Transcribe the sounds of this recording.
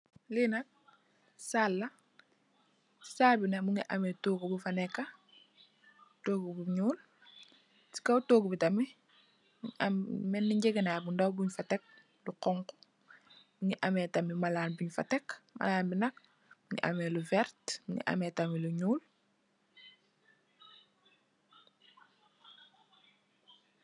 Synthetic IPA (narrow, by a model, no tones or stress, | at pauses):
linɐk̚ | salːɐ | saːlbinamuŋiʔametoːɡubufanɛkːa | toːɡubuɲuːl | si̥kawtoːɡbitami | miammɛnːiɲɟeɡenabundawbuɲfatek̚ | luqɔŋko̥ | buɲiʔameːtamimalaːnbuɲfa̰tɛkma̰laːnbinɐk̚ | buɲḭʔa̰meluvɛɾtmuɲḭʔa̰meːtamiluɲuːl